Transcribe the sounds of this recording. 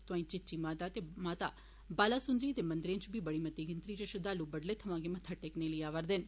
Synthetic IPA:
t̪oãːĩt͡ʃɪtːt͡ʃiːmaːt̪aːt̪emaːt̪a̰ː | baːlaːsʊnd̪ɾiːt̪eːmɐ̃nd̪ɾẽnt͡ʃbʱibəɽiːmɐt̪iːɡɪnt̪ɾiːt͡ʃəʃəd̪aːlubəɖlet̪ʰɐʋãːkemɐt̪ʰaʈeːkneləiaːʋəɾd̪ɪn

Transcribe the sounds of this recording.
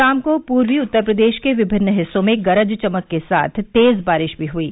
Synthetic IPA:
aːmkopuːɾʋiʊt̪ːəɾpɾəd̪eːʃkeʋɪbʱɪnːəɦɪsːõmẽɡɐɾəd͡ʒt͡ʃɐməkːesa̰ːt̪ʰt̪eːzbaːɾɪʃbʱiɦuiː

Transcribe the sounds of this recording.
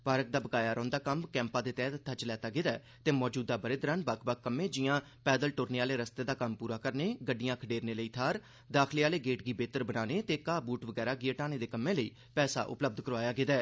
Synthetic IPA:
baːɾək̚d̪aːbəɡaːjaːɾɔ̃ːnd̪aːkəmkɛ̃ːmpãːd̪eːt̪ɛːt̪ət̪ʰːat͡ʃəlɛːt̪aːɡɪd̪aː | t̪eːmɔːd͡ʒuːd̪aːbəɾeːd̪ɾəːnbakʰbakkːəmːẽːd͡ʒɪjãː | pɛːd̪əlʈoːɾneːaːleːɾəst̪eːd̪aːkəmpuːɾaːkəɾneːɡəɖijãːkʰəɖeːɾneːləiːt̪ʰaːɾ | d̪aːkʰliːaːleːɡeːʈɡiːbeːt̪əɾbənaːneːt̪eːkaːbuːʈʋəɡɛːɾaːɡeːʈaːneːd̪eːkəmːẽːləiː | pɛːsa̰ːʔʊ̰pləb̚d̪kəɾʋaːjaːɡɪd̪aː

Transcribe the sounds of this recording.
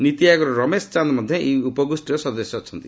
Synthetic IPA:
nit̪ijaɡɔɾɔɾɔmest͡ʃand̪mɔd̪ʱjeʔiupɔɡusʈiɾɔsɔd̪ɔsjɔːt͡ʃʰɔnt̪i

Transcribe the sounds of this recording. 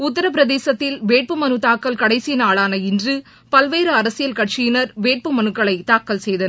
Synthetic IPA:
ʊt̪ːɐɾɐp̬ɪɾɐðeːsɐt̪ːɪlʋeːʈ̚pɯmɐnɯt̪aːkːɐlkɐɽɐɪsijnaːɭaːnɐɪndrɯ | pɐlʋeːɾɯɐɾɐsɪjɐlkɐʈ̚t͡ʃɪjɪnɐɾʋeːʈ̚pɯmɐnɯkːɐɭɐɪt̪aːkːɐlsɛjðɐn

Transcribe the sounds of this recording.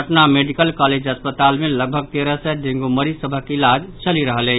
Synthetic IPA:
əʈnameɖikəlkaled͡ʒəspət̪almeləɡ̚bʱəɡ̚t̪eɾəsɛɖẽŋɡuməɾisəbʱəkilad͡ʒt͡ʃəliɾəɦəlɛ

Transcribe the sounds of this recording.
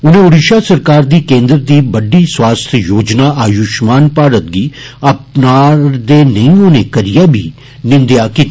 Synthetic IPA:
ʊnẽːʊɽiːʃaːsəɾkaːɾd̪iːkẽːnd̪ɾd̪iːbəɖiːswaːst̪ʰjoːd͡ʒnaːʔaːjʊʃmaːnpaːɾət̪̚ɡiːəp̚naːɾd̪eːnəĩːoneːkəɾɪjaːbḭː | nɪ̃nd̪jaːki

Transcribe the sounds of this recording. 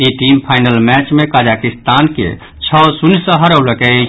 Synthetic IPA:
iʈimpʰaɪnəlmɛt͡ʃmekad͡ʒakist̪ankḛ | t͡ʃʰɔsunsə̃ɦəɾəwləkɛ

